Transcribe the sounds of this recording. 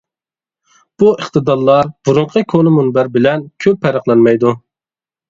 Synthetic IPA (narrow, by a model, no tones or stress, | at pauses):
b̥uəχt̪ɨd̪ɑɾlˠɑɾb̥uɾʊɴqʰəkʰonɨmunbæɾbɪlɛnkʲʰøpʰːɛɾəχlˠɑnmɛjd̪u